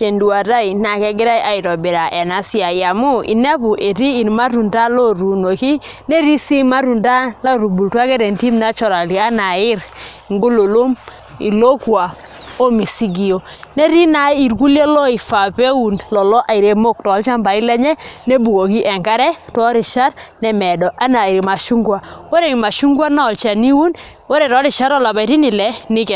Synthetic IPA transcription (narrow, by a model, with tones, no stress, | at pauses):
t͡ʃe˨ndu˨a˨ta˦i˨na˨kɛ˦ɡɪ˦ɾa˦jʔa˨ɪ˨ɾɔ˨be˨ɾa˨ʔɛ˨na˦sja˨ia˨mʊ˦ḭ˨nɛ˦bu˨ʔe˨ɾiː˦˨nma˦ɾu˨nda˦lɔ˦ɾu˨no˨ki˦ne˦ɾi˦si˦ma˦ɾu˨nda˦la˦ɾu˨bu˨ltwa˦kɛ˦ɾɛ˨nti˦mna˦t͡ʃɔ˨ɾa˨li˨a˦na˨ɪ˦ɾ | ŋɡo˦lo˨lo˦m | ḭ˨lo˦kwa˨ | o˦mi˨si˦ɡi˨o˨ | nɛ˦ɾi˦na˨i˨ɾku˦lje˦lɔ˦ɪ˨fa˨pe˦wu˨nlɔ˨lɔ˦ʔa˨ɪ˨ɾe˨mo˦˨k̚tɔ˨˦lt͡ʃa˦mba˨ɪ˦lɛ˦ɲɛ˦ne˦bu˨ko˨ki˦ʔɛ˨ŋɡa˦ɾɛ˦tɔ˦ɾɪ˨ʃa˦ɾnɛ˨mɛ˨dɔ˨ʔa˦na˨ɪ˨ɾi˨ma˨ʃu˦ŋɡwa˨wo˦ɾɛ˨ŋɪ˨ma˨ʃu˦ŋɡwa˦na˦ɔ˨lt͡ʃa˨ni˦wu˦n | wɔ˦ɾɛ˨tɔ˨˦ɾɪ˨ʃa˦ɾɔ˦˨la˨ba˨ti˦nɪ˨lɛ˨˦nɪ˦kɛ˨